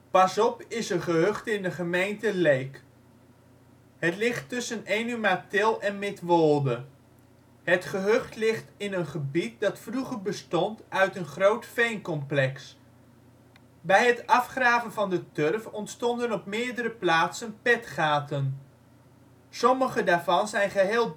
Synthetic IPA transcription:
pɑsɔpɪsəχəɦøχtɪndəχəmejntəlejk | ɦətlɪχtɵsənejnymatɪlˠɛnmɪtʋolˠdə | ɦətχəɦøχtlɪχtɪnənχəbit̚dɑtfruχərbəstɔntœɥtənχrowtfejnkɔmplɛks | bɛjɦətɑfχraːvənvɑndətørfɔntstɔndənɔpmɪːɹdəɾəplaːtsənpɛtχaːtən | sɔməχədaːɹvɑnzɛjnχəɦeːlˠ

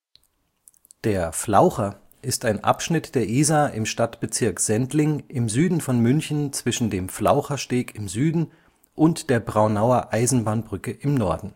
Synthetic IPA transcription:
d̥eːɐflaʊxɐ | ʔɪstaɪnʔa̰pʃnɪtd̥eːɐʔiːzaʔɪmʃtatb̥ət͡sɪɐkz̥ɛntlɪŋʔɪmzyːdn̩fɔnmʏnçn̩t͡sv̥ɪʃn̩deːmfla̰ʊχɐʃteːkɪmzyːdn̩ | ʔʊntd̥eːɐbʁaʊnaʊɐʔaɪzn̩baːnbʁʏkəʔɪmnɔɐdn̩

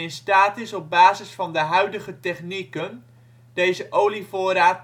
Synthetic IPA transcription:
ɪnstaːtɪsɔb̚baːzəsfɑndəɦœɥdəχətɛχnikən | d̥ejzəʔowlifʊːɾaːt

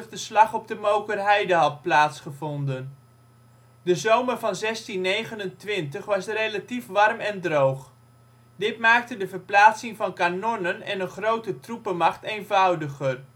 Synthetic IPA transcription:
χdəslɑχɔp̚dəmowkərɦɛjdəɦɑt̚plaːtsχəvɔndən | dəzowmərvɑnzɛstinːejχənəntʋɪntəχʋɑsrejlatifʋɑrmɛndrowχ | dɪtmaːk̚tədəvərplaːtsɪŋvɑnkanɔnənɛ̰nənχrowtətrupəmɑχtejnvʌwdəχər

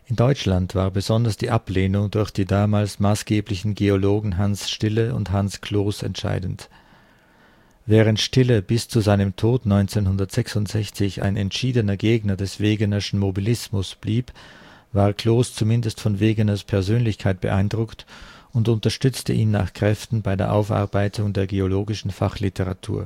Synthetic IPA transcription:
ʔɪndɔʏt͡ʃlantv̥aːɐbəzɔndɐsd̥iːʔapleːnʊŋdʊɐçd̥iːdaːmaːlsmaːsɡ̥eːplɪçn̩ɡeoloːɡŋ̩ɦansʃtɪləʊ̰nthanskʰl̥oːsɛ̰ntʃa̰ɪdn̩t | vɛːʁ̞əntʃtɪləbɪst͡suzaɪnəmtʰoːtnɔʏnt͡seːnhʊndɐtz̥ɛksʊntz̥ɛçt͡sɪça̰ɪnɛntʃiːdənɐɡeːɡnɐdɛsv̥eːɡənɐʃn̩mobilɪsmʊsb̥liːpvaːɐkʰl̥oːst͡sumɪndəstfɔnveːɡənɐspʰɛɐzøːnlɪçkʰaɪt̚b̥ə̰ʔaɪndʁʊktʊntʊntɐʃtʏt͡stəʔiːnːa̰ːχkʁ̥ɛftn̩baɪdeːɐʔaʊfʔa̰ɐbaɪtʰʊŋdeːɐɡeoloːɡɪʃn̩fa̰χlɪtʰəʁa̰tʰṵːɐ

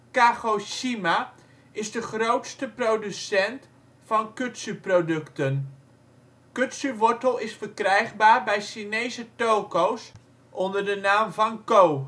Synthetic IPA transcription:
kaːχoʃima | ɪzdəχrowtstəprowdysɛnt | fɑnkɵtsyprowdɵktən | kɵtsyʋɔɹtəlˠɪsfəɹkrɛjχbaːɹbɛjʃinejzətowkows | ʔɔndəɹdənaːmvɑnkow

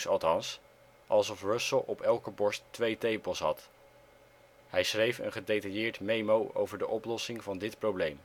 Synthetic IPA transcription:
sɑ̰lˠtɑns | ʔɑlˠsɔfrɵsəlˠʔɔpɛlˠkəbɔɹstʋejtejpəlˠsɦɑ̰t | hɛjsχrejfə̰nχədejtɑjɪːɹtmejmowʔo̰wvəɹdəʔɔplɔsɪŋvɑndɪtprowblejm

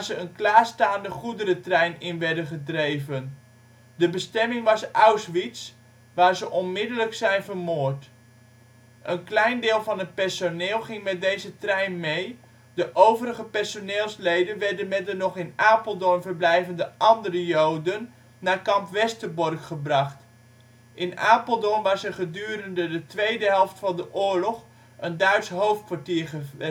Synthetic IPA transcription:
zəənklaːstaːndəχudəɾətrɛjnɪnʋɛɹdəχədrejvən | dəbəstɛmɪŋʋɑsawsʋits | ʋaːɹzəʔɔnmɪdələksɛjnvərmoːərt | ʔənklɛjndɪːlˠvɑnət̚pɛɹsonɪːlˠχɪŋmɛt̚dejzətrɛjnmej | dəʔowvərəχəpɛɹsonɪːlˠslejdənʋɛɹdənmɛdənɔχɪnaːpəlˠdɔnvəɹblɛjvəndəʔɑndərəjowdənː | aːɹkɑmpʋɛstərbɔrχχəbrɑχt | ʔɪnaːpəlˠdɔnʋɑssəχədyːɾəndədətʋejdəɦɛlˠftfɑndəʔʊːɹlɔχ | əndœɥtsɦowft̚kʋaɹtiːɹχə

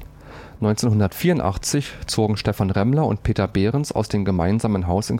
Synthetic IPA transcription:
nɔʏnt͡seːnɦʊndɐtfiːɐʊntʔa̰χt͡sɪçt͡soːɡŋ̩ʃtɛfanʁɛmlɐʊ̰nt̚pʰeːtɐbeːʁənsa̰ʊsd̥eːmɡəma̰ɪnzaːmənɦaʊsɪn

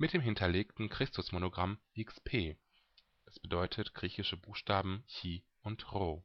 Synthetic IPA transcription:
mɪt̚d̥eːmɦɪntʰɐleːktn̩kʁ̥ɪstʊsmonoɡʁamʔɪkspʰeː | ʔɛsb̥ədɔʏtʰətɡ̥ʁiːçɪʃəbuːxʃtaːbm̩çiː | ʔʊntʁoː

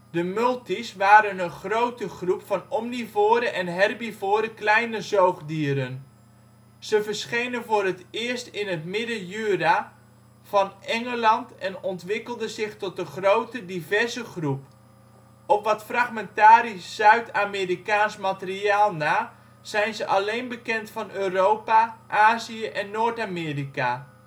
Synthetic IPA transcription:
dəmɵlˠtisʋaːɾənənχrowtəχrupfɑnɔmnivoːɾəʔɛnɦɛrbivoːɾəklɛjnəzowχdiəɾən | z̥əvərsχejnənvʊːrətɪərstɪnətmɪdəjyra | v̥ɑnʔɛŋəlɑntɛnɔntʋɪkəlˠdəzɪχtɔt̚əχrowtədivɛrzəχrup | ʔɔpʋɑtfraχmɛntaːɾisːœɥtamerikaːnsmatəriaːlˠnaː | z̥ɛjnzəʔɑlejnbəkɛntfɑnøːrowpaʔaːziəʔɛnːoːtamɪːrika

